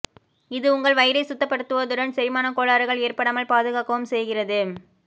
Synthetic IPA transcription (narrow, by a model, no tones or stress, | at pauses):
ɪðɯʊŋɡɐɭʋɐjɪɾɐɪsʊt̪ːɐpːɐɽɯt̪ːɯʋɐd̪ʊɽɐnsɐɾɪmaːnɐkoːɭaːɾɯɣɐɭeːrpɐɽɐmɐɭpaːðɯɣaːkɐʋɯmsɛjɣɪrɐðɯ